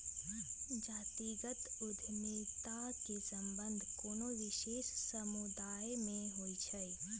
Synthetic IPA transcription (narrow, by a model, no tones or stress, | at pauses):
d͡ʒaːt̪iɡət̪ʊd̪ʱnit̪akesɐ̃mbə̃nd̪ʱkoːnoʋɪʃeːʃsəmud̪aːjmẽɦoit͡ʃʰəj